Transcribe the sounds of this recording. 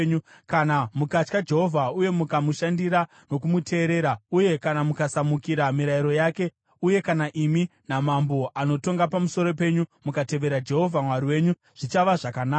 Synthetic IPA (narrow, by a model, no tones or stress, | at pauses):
ɲu | kanamukat͡ʃkad͡ʒe̞ɦo̞vʱauje̞mukamuʃandiɾa | no̞kumutʰe̞ːɾe̞ːɾauje̞kanamukasamukiɾamiɾaiɾo̞jake̞ | uje̞kanaʔiminamambo̞ʔano̞to̞ŋɡapamuso̞ɾo̞p̬e̞ɲumukate̞ʋe̞ɾad͡ʒe̞ɦo̞vʱamwaɾiwe̞ɲu | ʐ̥it͡ʃaʋaʐakana